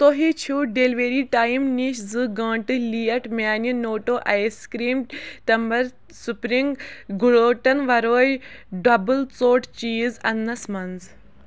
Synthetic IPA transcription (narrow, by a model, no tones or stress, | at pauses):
t̪oɦit͡ʃʰuɖeːlʋeɾiːʈaːimniʃzɨɡãːɳʈɨlijɐʈmʲaːninoːʈoːʔajskɾiːmt̪ɐmbɐɾ | supɾiŋɡɡuɭoːʈɐnʋɐɾoːjɖɐbɨlt͡soːʈt͡ʃiːzɐnːɐsmɐnz